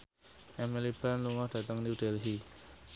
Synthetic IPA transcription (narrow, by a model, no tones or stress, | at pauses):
emelipanluŋatataŋniwtelɦi